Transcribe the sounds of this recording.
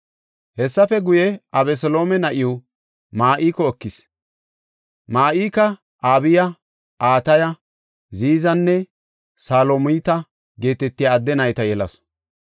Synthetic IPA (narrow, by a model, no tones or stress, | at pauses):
hɛsːɐfɛɡʊjɛʔɐbɛsɔlo̞ːmɛnɐʔɪju | maːʔiːkɔɔkːɪs | maːʔiːkɐ | ʔaːbɪjɐ | ʔaːt̪ɐjɐ | ziːzɐnːɛ | saːlomʊt̪ɐ | ɡe̞ːt̪ɛt̪ːɪjaːd̪ːɛnɐjt̪ɐjɛlɐs